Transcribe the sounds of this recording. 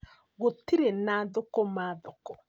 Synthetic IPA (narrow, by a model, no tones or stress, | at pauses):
ɣotiɾenaðokɔmaðokɔ